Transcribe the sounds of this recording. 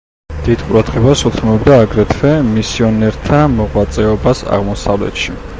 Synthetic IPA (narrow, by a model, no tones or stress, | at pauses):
d̪̥id̪̥qʼuɾad̪ʁɛbasut̪ʰmɔbd̪aːɡɾɛt̪ʰvɛmisiɔnɛɾt̪ʰamɔʁwat̪sʼɛɔbasa̰ʁmɔsavlɛ̰t̪ʃi